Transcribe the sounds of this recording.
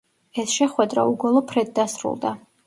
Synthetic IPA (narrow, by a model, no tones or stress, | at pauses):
ɛsʃɛχwɛd̪ɾa̰uɡɔlˠɔpʰɾɛd̪̚d̪asɾṵlˠd̪a